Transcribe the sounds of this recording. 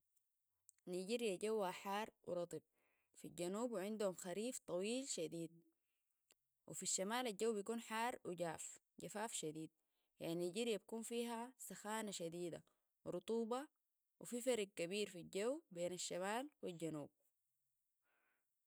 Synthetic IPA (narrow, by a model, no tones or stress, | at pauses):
niɟiɾjaɟawːaħaːrˤwḭɾˤɑt̪ˤɨb̚ | filɟanuːbwʕɪnd̪humxaɾiːft̪ˤɑwiːlʃad̪iːd̪̚ | wʔḭfiʃːamaːlalɟawːbijkuːnħaːrˤwiɟaːf | ɟafaːfʃad̪iːd̪̚ | jaʕninɟiɾjabakuːnfiːɦasaxaːnaʃad̪iːd̪a̰ | wɾʊt̪ˤuːbɑ | wififaɾɡ̚kabiːɾfiɟawbeːnaʃːamaːlwilɟanuːb̚